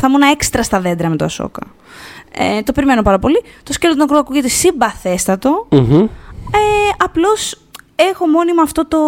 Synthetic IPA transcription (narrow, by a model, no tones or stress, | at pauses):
θɐmunɐe̞kst̪ɾɐst̪ɐðe̞d̪ɾɐme̞t̪oɐso̰kɐ | ḛt̪o̞peɾime̞no̞pɐɾɐpo̞lit̪oscelot̪unɐkɾuoɐkuʝet̪esibɐθe̞st̪ɐt̪o̞ | eɐplo̞s | e̞xo̞mo̞nimɐːft̪o̞t̪o̞